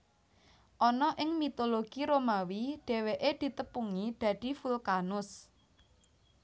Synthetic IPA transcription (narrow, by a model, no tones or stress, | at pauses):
ʔɔnɔʔɪŋmit̪oloɡ̥iɾomawiɖ̥e̤weʔed̪̥i̤t̪əpuŋid̪̥ä̤ɖ̪̥i̤fulkanʊs